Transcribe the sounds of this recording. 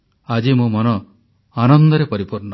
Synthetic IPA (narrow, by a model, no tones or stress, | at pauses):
ad͡ʒimũmɔnɔ | anɔnd̪ɔɾepɔɾipuɾnɔ